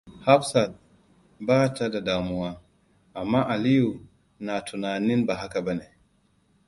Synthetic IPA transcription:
ha˦bsa˨t̚ | baː˦˨ta˦da˨daː˨mu˨wa˦ | a˨mːa˦ʔa˨li˦ju˨ | na˨tʰu˨na˨ni˦nba˨ɦa˦ka˨ba˦ne˨

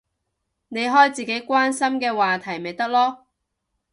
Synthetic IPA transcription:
ne˨˧jɦɔː˥jt͡siː˨ke˨˥jkʷaː˥nsɐ˥mkɛː˧waː˨t̪ʰɐ˨˩jme˨jt̪ɐ˥k̚lɔː˥

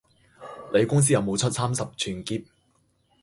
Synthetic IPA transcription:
le˨˧jkʊ˥ŋs̬iː˥jɐ˨˧wmo˨˧wt͡sʰɵ˥t̚saː˥msɐ˨p̚t͡ʃʰyː˨nkiː˧p̚

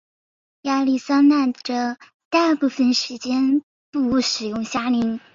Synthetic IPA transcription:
ja˥li˥˩sa˥nna˥˩nʈ͡ʂə˩ | t̪a˥˧pu˥˩fə˨˩nʂɻ̩˧˥t͡ɕjɛ˥n | pu˥˩u˧˥ʂɻ̩˨˩jʊ˥˩ŋɕja˥li˧˥ŋ

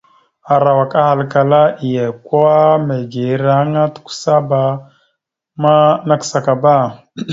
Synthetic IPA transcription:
a˨ɾa˨wa˨ka˦ha˨lka˨la˦i˨ja˨ka˦me˨ɡi˨˦ɾa˦ha˦ŋa˦tu̥˦ku̥˦sa˦ba˨ | ma˦na˦ksa˨ka˨ba˦˨

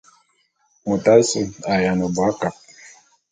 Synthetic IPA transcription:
mu˨t̪a˦su˦˨a˨ja˨no˨ba˦ka˨p̚

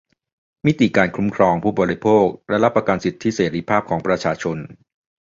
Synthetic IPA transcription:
mi˦˥t̪i˨˩kaː˧nkʰɾu˦˥mkʰɾɔː˧ŋpʰuː˥˩bɔː˨˩ɾi˧˥pʰoː˥˩k̚lɛ˦˥ɾa˦˥pːa˧ka˧nsi˨˩t̪ʰːiː˦˥˩seː˩˦ɾiː˧˩pʰaː˥˩p̚kʰɔː˩˦ŋpɾa˧t͡ɕʰaː˧t͡ɕʰo˧n

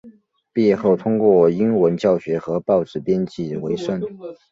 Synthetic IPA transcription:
pjɛ˥˧xo˥˩ʊt̪ʰʊ˥ŋkwɔ˥˩i˥nwə˧˥nt͡ɕjɑ˥˩ʊɕɥɛ˧˥xɤ˧˥pɑ˥˧ʊʈ͡ʂɻ̩˥˩pjɛ˥nt͡ɕi˥˩we˧˥ɪʂə˥˩n

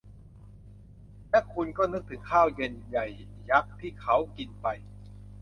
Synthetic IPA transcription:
lɛ˦˥kʰu˧nkɔː˥˩nɯ˦˥k̚t̪ʰɯ˩˦ŋkʰaː˥˩wje˧nja˨˩jːa˦˥k̚t̪ʰiː˥˩kʰa˦˥wki˧npa˧j

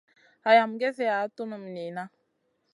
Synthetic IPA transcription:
a˨ja˨m˨ɡɛ˦θɛ˦a˨˦tu˦nə˨m˨ni˨na˦

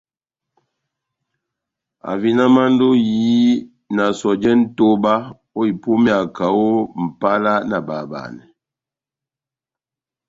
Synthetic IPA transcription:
a̰˨vi˦na˦ma˦n˦do˦jiː˨˦ | na˨sɔ˨d͡ʒɛ˦n̩˦to˦ba˦ | o˦i˨pu˦mi˦a˨ka˨o˦m̩˨pa˦la˦na˨ba˨ba̰˨nɛ̰˨

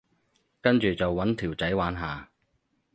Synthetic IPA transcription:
kɐ˥nt͡ʃyː˨t͡sɐ˨wːɐ˨˥nt̪ʰiː˨˩wt͡sɐ˨˥jwaː˨˥nɦaː˨

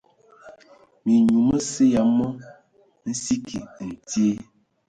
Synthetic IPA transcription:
mi˨ɲu˨mə˦se˦ja˨mə˦ | n̩˦si˦kʰi˨n̩˨tje˦

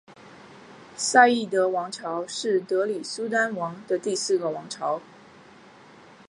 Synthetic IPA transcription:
sa˥˧ɪi˥˩t̪ɤ˧˥wɑ˧˥ŋʈ͡ʂʰɑ˧˥ʊʂɻ̩˥˩t̪ɤ˧˥li˨˩su˥t̪a˥nwɑ˧˥ŋd̪ə˧t̪i˥˧sɹ̩˥˩ɡə˩wɑ˧˥ŋʈ͡ʂʰɑ˧˥ʊ

